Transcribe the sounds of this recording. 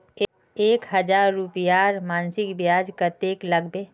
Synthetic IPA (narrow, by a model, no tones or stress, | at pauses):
eːkɦɐd͡ʒaːɾːupjaːɾmãːnsɪkbjaːd͡ʒkət̪eːklɐɡbe